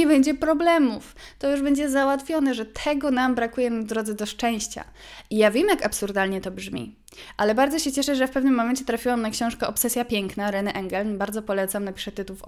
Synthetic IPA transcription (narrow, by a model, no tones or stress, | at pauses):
ɛbɛɲd͡ʑɛpɾɔblɛmuft̪ɔjuʐbɛɲd͡ʑɛzawat̪fʲjɔnɛʐɛt̪ʰɛɡɔnambɾakujɛmd̪ɾɔd̪zɛd̪ɔʂt͡ʂɛ̃w̃ɕt͡ɕa̰ijavʲjɛmjakapsuɾd̪alɲɛt̪ɔbʐmʲḭ | ʔalɛbaɾd̪ɔɕɛt͡ɕɛʂɛʐɛjafpɛvnɘmːɔmɛnt͡ɕɛt̪ɾafʲiwamnakɕɔ̃w̃ʂkɛʔɔpsɛsʲjapʲjɛŋknaɾɛnɛʔɛŋɡɛlnbaɾd̪zɔpɔlɛt̪samnapʲi̥ʂɛt̪ɘt̪uf